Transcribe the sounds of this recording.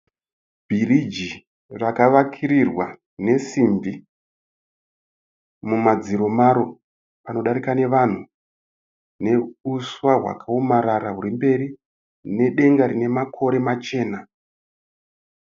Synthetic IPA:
bʱirid͡ʒi | rakaʋakʰiɾirwa | ne̞simbi | mumad͡ziɾo̞maɾo̞ | pano̞ɗaɾikane̞ʋan̤u | ne̞uswaɦwa̰kaomaɾaɾaɦuɾimbe̞ri | ne̞ɗe̞ŋɡaɾine̞makʰo̞ɾe̞mat͡ʃe̞ːna

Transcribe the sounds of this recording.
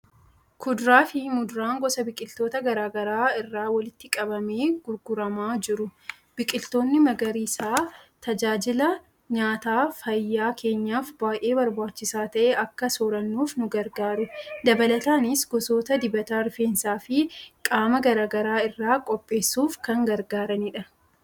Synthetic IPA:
kʰʊd̪ɾaːfɪmʊd̪ʊɾaːŋɡɔsɐbɪkʼɪlt̪o̞ːt̪ɐɡɐɾaːɡɐɾaːɪrːaːwɐlɪt̪ːɪkʼɐbɐme̞ːɡ̥ʊɾɡʊɾɐmaːd͡ʒɪɾʊ | b̥ɪkʼɪlt̪o̞ːnːɪmɐɡɐɾisaːt̪ɐd͡ʒaːd͡ʒɪlɐ | ɲaːt̪aːfɐjːaːkʰe̞ːɲːaːfbaːjʔe̞ːbɐɾbaːt͡ʃːɪsaːt̪ɐʔeːʔɐkːɐsɔɾɐnːuːfnʊɡɐɾɡaːɾʊd̪ɐbɐlɐt̪aːnɪsɡɔso̞ːt̪ɐd̪ɪbɐt̪aːɾfeːnsaːfɪkʼaːmɐɡɐɾaːɡɐɾaːɪrːaːkʼɔpʼːe̞ːsːuːfkɐŋɡɐɾɡaːɾɐniːᶑɐ

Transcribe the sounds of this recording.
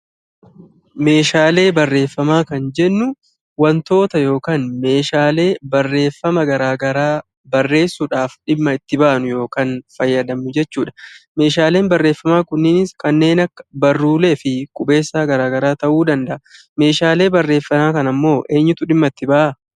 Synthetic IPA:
me̞ːʃaːle̞ːbɐrːe̞ːfːɐmaːkɐnd͡ʒɛnːʊ | wɐnt̪o̞ːt̪ɐjo̞ːkaːnme̞ːʃaːle̞ːbɐrːe̞ːfːɐmɐɡɐɾaːɡɐɾaː | bɐrːe̞ːsːuᶑaːfᶑɪmːɐɪt̪ːɪbɐʔɐnʊjo̞ːkanfɐjːɐd̪ɐmʊd͡ʒɛt͡ʃːuːᶑɐ̥me̞ːʃaːle̞ːnbɐrːe̞ːfːɐmaːkʊnːɪnɪskɐnːe̞ːnɐkːɐ̥bɐrːuːle̞ːfɪkʼʊbe̞ːsːaːɡɐɾaːɡɐɾaːt̪ɐʔuːd̪ɐnd̪ɐʔɐ | me̞ːʃaːle̞ːbɐrːe̞ːfːɐnaːkɐnɐmːo̞ːʔe̞ːɲːʊt̪ʊᶑɪmːɐɪt̪ːɪbɐʔɐ

